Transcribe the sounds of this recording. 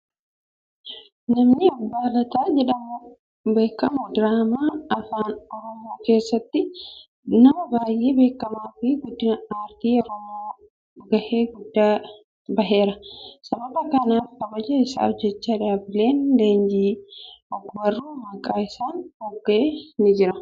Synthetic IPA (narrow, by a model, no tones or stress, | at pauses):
nɐmnɪɐbːaːlɐt̪aːd͡ʒɛᶑɐmʊ | be̞ːkːɐmʊd̪ɾaːmaːɐfaːnɔɾɔmoːke̞ːsːɐt̪ːɪ | nɐmɐbaːjʔe̞ːbe̞ːkːɐmaːfɪɡʊd̪ːɪnɐaːɾt̪iːɔɾɔmoː | ɡɐheːɡʊd̪ːaː | bɐɦe̞ːɾɐsɐbɐbɐkɐnaːfkɐbɐd͡ʒɐɪsa̰ːɔd͡ʒːɛt͡ʃːaːᶑaːbɪle̞ːnd̪eːnd͡ʒiːɔɡwɐrːuːmɐkʼaːɪsaːnhɔɡːeːnɪd͡ʒɪɾɐ